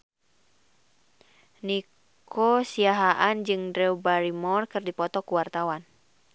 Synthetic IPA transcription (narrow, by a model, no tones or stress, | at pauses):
ni | kʰɔsiaɦaʔand͡ʒɨŋdɾɛubaɾimɔrkɨrdipɔt̪ɔkuwart̪awan